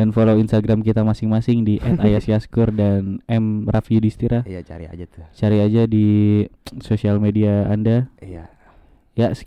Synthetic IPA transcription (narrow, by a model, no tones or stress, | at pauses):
danfoloinst̪aɡɾamkit̪amasɪŋmasɪŋdiʔɛt̪ajasiaskʊrdanɛmrafiudist̪iɾajat͡ʃa̰ɾia̰d͡ʒat̪t͡ʃaɾiad͡ʒadi | sosialmediaːndaa | jas